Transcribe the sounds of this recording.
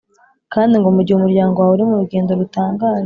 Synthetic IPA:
kaːndiŋɡomuɾɟiwumuɾɟaːŋɡowawuɾimuɾuɡe̞ːndo̞ɾutaːŋɡaːz

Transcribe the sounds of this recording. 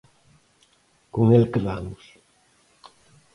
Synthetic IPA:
koŋelkeβamʊs

